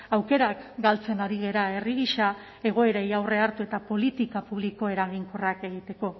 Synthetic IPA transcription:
awke̞ɾakɡalt͡se̞naɾiɣ̞e̞ɾae̞riɣiʃa | e̞ɣ̞o̞e̞ɾejawre̞aɾt̪ue̞t̪apo̞lit̪ikapuβliko̞e̞ɾaɣiŋkorake̞ɣ̞it̪e̞ko̞

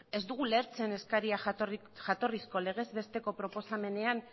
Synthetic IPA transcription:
e̞zd̪uɣ̞ule̞ɾt͡se̞ne̞skaɾiar | ʝat̪o̞risko̞le̞ɣ̞e̞zβe̞st̪e̞ko̞pɾo̞po̞same̞ne̞an

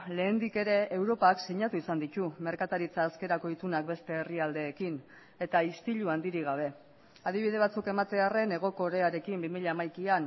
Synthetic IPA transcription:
le̞ːnd̪ike̞ɾe̞ewɾo̞paksiɲat̪uisand̪it̪ume̞ɾkat̪aɾit͡saːske̞ɾako̞it̪unak̚be̞st̪e̞ːriald̪e̞ːkin | e̞t̪aist̪iʎuand̪iɾiɣ̞aβ̞e̞ | aðiβ̞ið̞e̞β̞at͡suke̞mat̪e̞are̞ne̞ɣ̞o̞ko̞ɾe̞aɾe̞kimbimiʎeamajkian

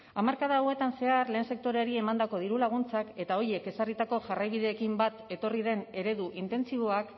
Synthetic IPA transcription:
amaɾkað̞awe̞t̪anse̞arle̞ːnse̞k̚t̪o̞ɾeaɾie̞mand̪ako̞ðiɾulaɣ̞unt͡sake̞t̪ao̞ɾie̞ke̞sarit̪ako̞ʝarajβ̞iðe̞ːkimbat̪e̞t̪o̞riðe̞ne̞ɾe̞ðuʔint̪e̞nt͡siβo̞ak

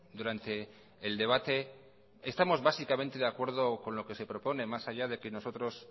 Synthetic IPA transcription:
d̪uɾant̪e̞ː | ld̪e̞β̞at̪e̞ | est̪amo̞zβasikamẽ̞nt̪e̞ðeakwe̞ɾð̞o̞ko̞nlo̞ke̞se̞pɾo̞po̞ne̞masaʝað̞e̞keno̞so̞t̪ɾo̞s

